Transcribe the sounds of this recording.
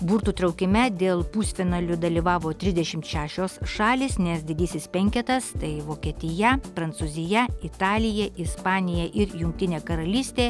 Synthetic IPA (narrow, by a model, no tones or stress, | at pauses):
buːɾt̪uːt̪ɾɐʊkʲɪmʲɛd̪ʲeːlˠpuːsʲfʲɪnɐlʲʊd̪ɐlʲiʋɑːʋoːt̪ʲɾʲɪzd̪ʲɛʃʲɪmt̪ʃʲæːʃʲoːsʃɑːlʲiːsnʲɛsd̪ʲɪd̪ʲiːsʲɪspʲɛŋʲkʲɛt̪ɐst̪ɐɪʋoːkʲiɛt̪ʲɪjɛpɾɐnt̪suːzʲɪjɛɪt̪ɑːlʲɪjɛʔɪspɑːnʲɪjɛʔɪɾjʊŋk̚t̪ʲɪnʲeːkɐɾɐlʲiːsʲt̪ʲeː